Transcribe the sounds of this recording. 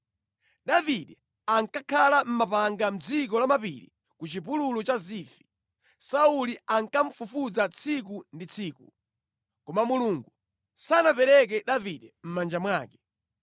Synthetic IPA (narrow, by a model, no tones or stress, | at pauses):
ɗaviɗɛ | aŋkakʰalam̩mapaŋɡam̩d͡zik̬ɔlamapḭɾḭ | kut͡ʃipululɔt͡ʃaziːfi̥ | sauliaŋkaɱ̩fufud͡zat͡sʰik̬undit͡sʰiːku | kɔmamuluŋɡu | sanapɛɾɛk̬ɛɗaviɗɛm̩mand͡ʒamwaːkɛ̥